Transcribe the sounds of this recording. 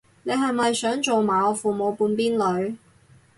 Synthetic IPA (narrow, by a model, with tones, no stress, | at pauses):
ne˨˧jɦɐ˨jmɐ˨jsœː˨˥ŋt͡so˨wmaː˨˧ɔ˧fuː˨˩mo˨˧wpuː˧npiː˥nlɵ˨˧ɥ